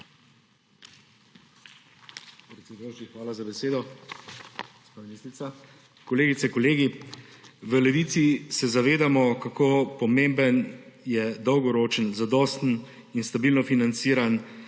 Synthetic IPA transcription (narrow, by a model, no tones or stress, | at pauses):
pɾɛt̪ʲed̪jot͡ʃixʋaːlazabɛseːd̪ɔ | ɡospaːminist̪ɾit̪sa | kɔleːɡit̪sɛkɔleːɡi | ʋəlɛʋiːt̪sisɛzaʋeːd̪amɔkakoːpɔmẽmbənjɛd̪ɔwɡɔɾoːt͡ʃənzad̪ɔːst̪n̩ | inst̪abiːlnɔfinant̪siːɾan